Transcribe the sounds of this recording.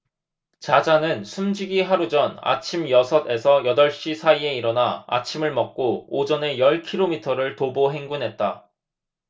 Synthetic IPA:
t͡ɕad͡ʑanɯnsʰumd͡ʑiɡiɦaɾud͡ʑʌna̰t͡ɕʰimjʌsʰʌde̞sʰʌjʌdʌɭɕ͈isʰaie̞iɾʌnaa̰t͡ɕʰimɯɭmʌk̚k͈oːd͡ʑʌne̞jʌɭkʰiɾomitʰʌɾɯɭtoboɦe̞ŋɡunɦe̞t̚t͈a

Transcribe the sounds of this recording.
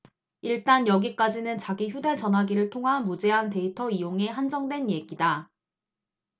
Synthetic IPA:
iɭt͈anjʌɡik͈ad͡ʑinɯnt͡ɕaɡiçjude̞t͡ɕʌnɦaɡiɾɯɭtʰoŋɦamud͡ʑe̞ɦante̞itʰʌijoŋe̞ɦand͡ʑʌŋdwe̞nje̞ɡida

